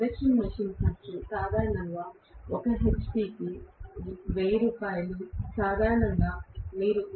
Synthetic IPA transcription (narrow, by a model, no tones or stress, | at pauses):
d̪ɐkʂɐnmɐʂint͡ʃɐt͡ʃːusaːd̪ʱaːɾɐɳɐŋɡaː | okɐɦe̞t͡ʃpiːki | ʋeːjɐɾuːpaːjɐlusaːd̪ʱaːɾɐɳɐŋɡaːmiːɾu